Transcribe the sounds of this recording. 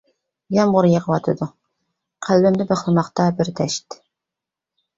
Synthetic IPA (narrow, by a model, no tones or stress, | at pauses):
jɑmʁʊɾjəʁəwɑt̪ʰɨd̪u | qʰælːɪmd̪ɪbæχlˠɨmɑqt̪ɑbɪɾd̪ɛʃt̪